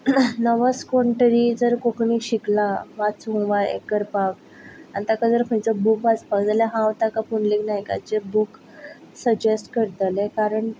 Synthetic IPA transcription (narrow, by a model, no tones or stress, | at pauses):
nəʋəskɔɳʈəɾid͡zəɾkokɳiɕiklaʋat͡sũʋaḛkəɾpak | ant̪akad͡zəɾpʰəjt͡səbukʋat͡spaɡd͡zljaɦãʋt̪akapuɳleknajka̰t͡ɕebuk | səd͡ʑesʈkəɾt̪əlekaɾəɳ